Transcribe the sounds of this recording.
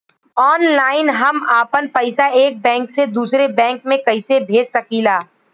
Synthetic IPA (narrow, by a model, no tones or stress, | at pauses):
ɔːnlaːɪnɦɐmaːpənpɐɪsaeːk̚bɛ̃ːŋksed̪uːsɾebɛ̃ːŋkmẽkɐɪsebʱeːd͡ʒsɐkiːlaː